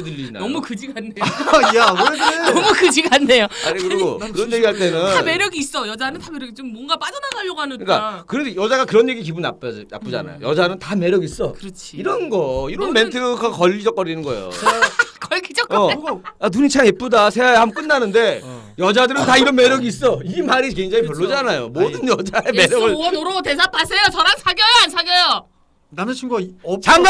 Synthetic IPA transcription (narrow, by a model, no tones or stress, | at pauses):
dɯʎːid͡ʑina̰ʌmukɯd͡ʑiɡanːeajakɾenenʌmukɯd͡ʑiɡanːe̞joa̰ɲikɯɾɡokɯɾʌnje̞ɡiɦaɭt̬͈e̞nɯnnameɾjʌɡiːs͈ʌjʌd͡ʑanɯntameɾʌɡit͡ɕomːwʌŋɡap͈ad͡ʑʌnanʰaɭːoɡɦanɯɯik͈a̰kɯɾʌndejʌd͡ʑaɡakɯɾʌnje̞ɡik̬ibunːa̰p͈̚d͡ʑna̰p͈ud͡ʑa̰na̰jo̰jʌd͡ʑanɯntame̞ɾjʌɡis͈ʌkɯɾʌt͡ɕʰiiɾʌnɡʌiɾʌnme̞ntʰɯkʰakʌʎːid͡ʑʌk͈ʌɾinɯnɡʌḛjo̰kʌɭɡid͡ʑʌk͈anuɲit͡ɕʰamep͈udasʰejajeɦamk͈ɯnːanɯnde̞ | jʌd͡ʑadɯɾɯntaiɾʌnme̞ɾjʌɡiːs͈ʌimaɾikeŋd͡ʑaŋipjʌɭːod͡ʑanajomodɯnjʌd͡ʑaeme̞ɾjʌɡɯɭnoɾotes̬ʰapʰasʰejot͡ɕʌɾansʰaɡjʌjoansʰaɡjʌjʌ | nant͡ɕʰiɡt͡ɕa